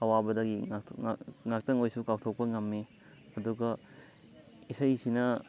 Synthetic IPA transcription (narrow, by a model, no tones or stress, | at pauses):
ɐwabɐdɐɡiaŋak̚tɐŋojsukawtʰok̚pɐŋɐmːi | ɐduɡɐ | isɐjsinɐ